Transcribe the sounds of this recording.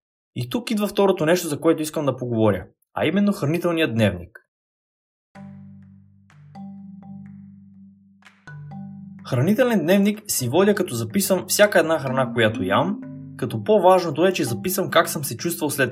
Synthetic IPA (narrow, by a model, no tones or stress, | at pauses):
it̪ukid̪vɐft̪ɔɾot̪onɛʃt̪ozɐkoɛt̪oiskəmd̪ɐpoɡovɔɾʲjə̰ | ɐ̰imɛnːoxɾɐnit̪ɛlˠnijəd̪nɛvnik | xɾɐnit̪ɛlɛnd̪nɛvniksivɔd̪ʲjəkɐt̪ɔzɐpisəmfsʲjakəɛd̪naxɾɐnakojat̪ojamkɐt̪ɔpovaʒnot̪oɛt͡ʃɛzɐpisəmkaksɤmsɛt͡ʃust̪vɐlˠslɛt̪